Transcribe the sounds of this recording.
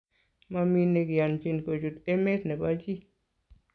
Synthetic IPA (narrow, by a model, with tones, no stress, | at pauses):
ma˦mi˦ne˧ɡja˨nt͡ʃi˦˨nko˨d͡ʒu˨t̪e˦me˦t̪nɛ˨ba˦d͡ʒi˦